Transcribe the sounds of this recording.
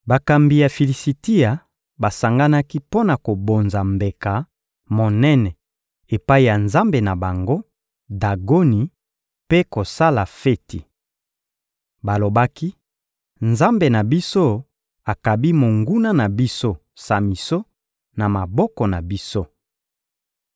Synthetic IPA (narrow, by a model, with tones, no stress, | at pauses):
ba˨ka˨mbi˨ja˨fi˨li˨si˨ti˦a˨ | ba˨sa˨ŋɡa˦na˦ki˦po˦na˨ko˨bo˨nza˨mbe˨ka˨ | mo˨nɛ˦nɛ˨ | e˨pa˦i˨ja˨nza˦mbe˨na˨ba˨ŋɡo˦ | da˨ɡo˦ni˨ | pe˦ko˨sa˦la˨fe˦ti˨ | ba˨lo˨ba˦ki˦ | nza˦mbe˨na˨bi˦so˦ | a˨ka˨bi˦mo˨ŋɡu˦na˦na˨bi˦so˦ | sa˨mi˨so˦ | na˨ma˨bɔ˦kɔ˨na˨bi˦so˦